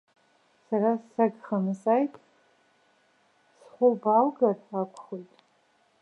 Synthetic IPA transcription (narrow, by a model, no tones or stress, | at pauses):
sarasaɡχanɨsajtʼ | sχʷʊbalɡarakʷʰχojtʼ